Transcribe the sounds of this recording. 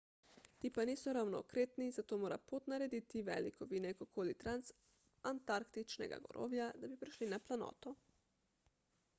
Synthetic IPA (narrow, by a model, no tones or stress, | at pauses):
t̪iːpaniːsɔɾawnɔːkɾeːt̪nizat̪oːmoːɾa̰pot̪naɾɛd̪iːt̪iʋɛ̰ːlikɔʋinɛkɔkʰoːlit̪ɾans | ant̪aɾkt̪it͡ʃnɛ̰ɡa̰ɡɔ̰ɾo̰ːʋjad̪abipɾiʃlinaplanɔ̰ːt̪ɔ